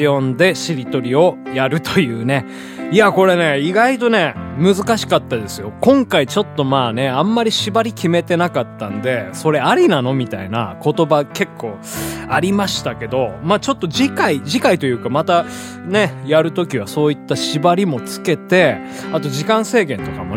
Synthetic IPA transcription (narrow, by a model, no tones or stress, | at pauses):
iõ̞nd̪e̞ɕiɾʲit̪o̞ɾʲio̞jaɾɯ̟t̪o̞jɯ̟ːne̞ | iako̞ɾe̞ne̞iɡait̪o̞ne̞mɯ̟zɨkaɕi̥kat̪ːad̪e̞sɨjo̞kõ̞ŋkait͡ɕo̞t̪ːo̞maːne̞ãmːaɾʲiɕibaɾʲikʲime̞t̪e̞nakat̪ːãnd̪e̞so̞ɾe̞aɾʲinano̞mʲit̪aina̰ko̞t̪o̞bake̞kʰːo̞ː | aɾʲimaɕi̥t̪ake̞d̪o̞maːt͡ɕo̞t̪ːod͡ʑikaid͡ʑikait̪o̞jɯ̟ːkamat̪a | ne̞jaɾɯ̟t̪o̞kʲiβ̞aso̞ːit̪ːaɕibaɾʲimo̞t͡sɨ̥ke̞t̪e̞ | at̪o̞ʑikãɰ̃se̞ːɡẽ̞nt̪o̞kamo